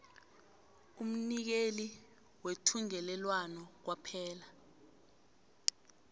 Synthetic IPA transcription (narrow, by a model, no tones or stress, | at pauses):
um̩nik̬eli | wetʰuŋɛlɛlwanɔk̬wapʰɛːla